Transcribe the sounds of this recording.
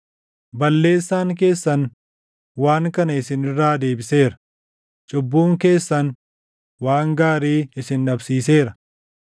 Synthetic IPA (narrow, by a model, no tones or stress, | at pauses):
bɐlːe̞ːsːaːŋk̬e̞ːsːɐn | waːŋkɐnɐɪsɪnɪrːaːd̪e̞ːbɪse̞ːɾɐ̥ | t͡ʃʼʊbːuːŋke̞ːsːɐn | waːŋɡaːɾiːɪsɪnᶑɐbsiːse̞ːɾɐ